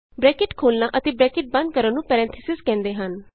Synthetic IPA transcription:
bɾɛːkɪʈkʰoːlnaːʔət̪eːbɾɛːkɪʈ̚bə̃nd̪̚kəɾənnũːpɛːɾɛ̃ːnt̪ʰəsɪzkɛ̃ːnd̪eːɦən

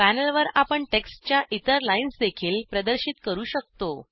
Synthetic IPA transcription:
pænəlʋəɾapəɳʈeksʈt͡ɕjaʔit̪əɾlainsd̪ekʰiːlpɾəd̪əɾɕiːt̪kəɾuːɕək̚t̪o

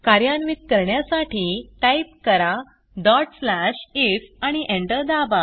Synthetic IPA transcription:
kaɾjanʋit̪̚kəɾɳjasaʈiːʈaipkəɾa | dɔʈslaɕisaɽ̃iʔẽɳʈəɾd̪aba

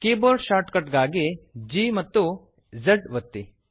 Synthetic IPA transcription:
keːboːɾʃaːɾʈkɐʈɡaːɡed͡ʒiːmɐt̪ːu | zeɖʋɐt̪ːi

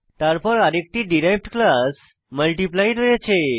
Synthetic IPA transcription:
t̪aɾpəɾaɾek̚ʈiːɖiɾajʋʈɖklas | məlʈiplajʈəjet͡ɕʰe

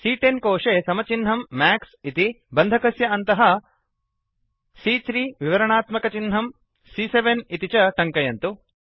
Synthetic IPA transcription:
siːʈenkoːʂeːsɐmɐt͡ʃinɦɐmːaːksit̪i | bɐnd̪ʱɐkɐsjɐɐnt̪ɐɦɐ | siːt̪ɾiːʋiʋɐɾɐɳaːt̪mɐkɐt͡ʃinɦɐm | siseʋenit̪it͡ʃɐʈɐŋkɐjɐnt̪u

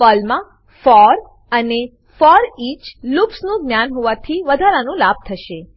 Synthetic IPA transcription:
ɔlmã | fɔɾ | əne | fɔɾit͡ʃlupsnũɡnjanɦoʋãt̪ʰiʋəd̪ʱaɾanũlab̚t̪ʰəʃe

